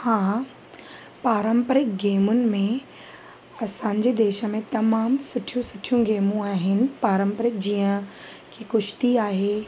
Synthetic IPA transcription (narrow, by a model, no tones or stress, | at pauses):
hãː | paːɾəmpəɾɪk̚ɡeːmʊnɪ̆mẽ | ɐsãːɲd͡ʑed̪eːʃəmẽt̪ɐmaːmsʊʈʰijũsʊʈʰijũɡeːmũaːɦɪnɪ̆paːɾə̃mpəɾɪk̚d͡ʑiːə̃kʰikʊʃt̪iaːɦeː